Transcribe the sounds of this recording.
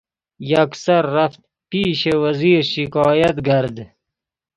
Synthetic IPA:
jaksɐɾːaft̪̚ | piːʃewɐziːɾʃikɑːjɐt̪ɡaɾd̪

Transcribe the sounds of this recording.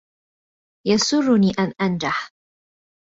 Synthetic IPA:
jasʊrˤːʊniːʔanʔand͡ʒaħ

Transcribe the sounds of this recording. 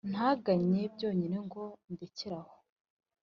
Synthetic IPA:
n̥haːɡaɲe̞bjo̞ːɲineŋɡo̞ndeciɾaho̥

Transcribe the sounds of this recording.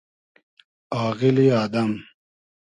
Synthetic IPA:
aːɣiliaːd̪ɐm

